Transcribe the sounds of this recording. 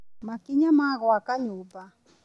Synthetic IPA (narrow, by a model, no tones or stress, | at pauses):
makiɲamaɣɔakaɲuːpa